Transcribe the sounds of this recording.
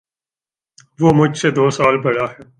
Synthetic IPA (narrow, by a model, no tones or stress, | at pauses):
ʋoːmʊd͡ʒʱsed̪oːsaːlbɐɽaːɦɛː